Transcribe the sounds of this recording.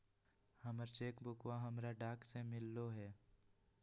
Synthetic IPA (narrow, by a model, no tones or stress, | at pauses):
həməɾt͡ʃeːkbʊkwaɦəmɾaɖaːksemɪlːoɦɛː